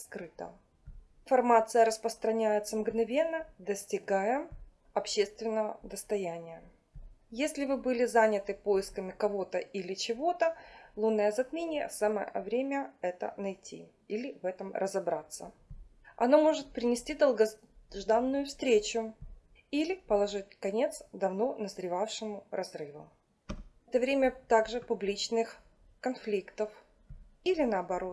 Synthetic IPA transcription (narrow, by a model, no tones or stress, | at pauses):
skɾɨt̪ə̰ | fɐrmat̪sɨjəɾəspɾəst̪ɾɐnʲæjɪt̪səmɡnɐvʲe̞nːəd̪əsʲtʲɪɡajɪm | ɐpɕːe̞st̪vʲɪnːəvəd̪əst̪ɐjænʲɪjə | jesʲlʲɪvɨbɨlʲɪzanʲɪt̪ɨpojɪskəmʲɪkɐvo̞t̪əilʲɪt͡ɕɪvo̞t̪əlˠunːəjəzɐt̪mʲenʲɪjə̰samə̰vɾʲemʲəɛt̪ə̰nɐjtʲḭ | ilʲɪvɛt̪əmrʔə̰zɐbɾat̪sːə̰ | ɐ̰no̞mo̞ʐɨt̪̚pɾʲɪnʲɪsʲtʲid̪əlˠɡɐ | ʐd̪anːʊjʊfst̪ɾʲet͡ɕʊ | ilʲɪpəlˠɐʐɨt̚ʲkɐnʲe̞t̪sd̪ɐvno̞nəzɾʲɪvafʂɨmʊrɐzɾɨvʊ̰ | ɛt̪əvɾʲemʲət̪aɡʐɨpʊblʲit͡ɕnɨx | kɐnflʲikt̪əf | ilʲɪnəɐbɐɾo̞t̪